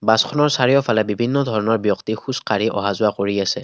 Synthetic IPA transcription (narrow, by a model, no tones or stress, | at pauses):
baskʰɔnɔɹsaɹijɔpʰalɛbibʱinːɔdʱɔɹɔnɔɹbjɔktixuskaɹiʔɔ̰ɦazʊakoɹiasɛ